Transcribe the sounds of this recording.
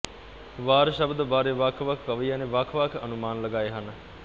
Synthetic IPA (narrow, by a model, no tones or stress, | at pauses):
ʋaːɾʃəbd̪əbaːɾeʋaːkʰʋakʰkɐʋəijaːneʋaːkʰʋaːkʰɐnumaːnləɡaːeɦanə